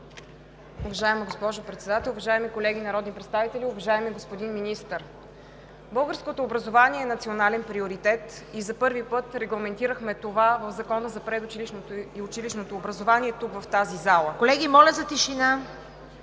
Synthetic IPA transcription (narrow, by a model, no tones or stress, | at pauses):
ʊvɐʒaɛməɡospɔʒopɾɛt̪sɛd̪at̪ɛlˠuvɐʒaɛmikolɛɡ̟inɐɾɔd̪nipɾɛt̪st̪avit̪ɛlʲiʊvɐʒaɛmiɡospod̪inminist̪əɾ | bɤlˠɡəɾskot̪oːbɾɐzovaniɛːnɐt̪sionalɛnpɾioɾit̪ɛt̪izɐpɤɾvipɤt̪ɾɛɡlˠɐmɛnt̪iɾəxmɛt̪ovavəvzɐkɔnəzɐpɾɛd̪ʊt͡ʃiliʃniʊt͡ʃiliʃnot̪oːbɾɐzovaniɛt̪ukvɐft̪azizalˠəkolɛɡʲimɔlʲəzɐt̪iʃina